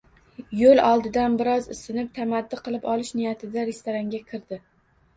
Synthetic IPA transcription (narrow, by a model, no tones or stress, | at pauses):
jolˠɒlˠd̪ɪd̪anbɪɾɒzɪ̰sɪnɪp̚t̪ʰamad̪ːɪqʰɨlˠɪpɒlˠɪʃnɪjat̪ʰɪd̪aɾe̞st̪oɾaŋɡʲakʲʰɪɾd̪ɪ